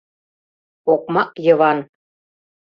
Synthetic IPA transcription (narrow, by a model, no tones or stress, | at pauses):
ok̚mɑkjɤ̆βɑn